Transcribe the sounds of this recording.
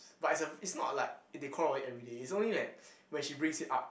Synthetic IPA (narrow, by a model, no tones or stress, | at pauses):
batitsəitsnɔ̰t̚laɪk̚dekʰɔlɔitɛvɹideːts̬õnlidɛt̚wɛ̃nʃibɹɪ̃ŋsita̰p̚